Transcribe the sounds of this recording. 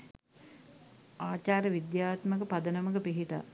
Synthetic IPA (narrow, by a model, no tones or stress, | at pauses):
aːt͡ɕaːɾəʋid̪jaːt̪məkəpad̪ənəmək̬əpiɦit̪a̰